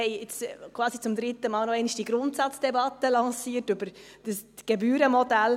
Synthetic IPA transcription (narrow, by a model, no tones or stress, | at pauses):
ɛɪɪt͡skʰvɑːsit͡sʊmdɾɪt̪əmɑːlnoɛɪnɪçʃd̥iɡ̥ɾʊntsɑt͡sd̥ɛbɑt̪əlɑŋsiːtʉbəɾ | d̥əsɡ̥ebyːɾəmɔdæl